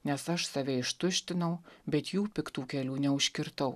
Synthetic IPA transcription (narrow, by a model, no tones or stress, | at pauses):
nʲɛsɐʃsɐʋʲɛɪʃt̪ʊʃʲt̪ʲɪnɐʊbʲɛt̪juːpʲɪkt̪uːkʲɛlʲuːnʲɛʊʃʲkʲɪɾt̪ɐʊ